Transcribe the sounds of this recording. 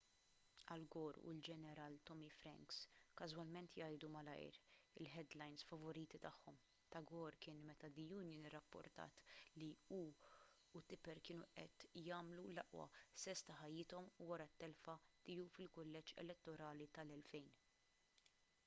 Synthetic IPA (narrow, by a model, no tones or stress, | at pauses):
ɐlɡɔːɾṵld͡ʒɛnɛɾɐːlt̪ɔmifɾɛ̰ŋkskɐzwɐlmɛnt̪jɐjd̪umɐlɐ̰jɾɪ̰lħɛd̪lɐjnsfɐvɔɾiːt̪it̪ɐħːɔm | t̪ɐɡɔːɾkɪːnmɛt̪ɐd̪ijuːnjɪnɪrːɐpːɔ̰ɾt̪ɐ̰ːt̪liuː | t̪ɪpɛɾkɪːnuʔɛt̪jɐːmlulɐʔwɐ̰sɛst̪ɐħɐjːɪːt̪ɔmuwɐɾɐt̪ːɛlfɐt̪ɪjufɪlkʊlːɛt͡ʃːɛ̰lɛt̪ːɔɾɐːlit̪ɐlɛlfɛjn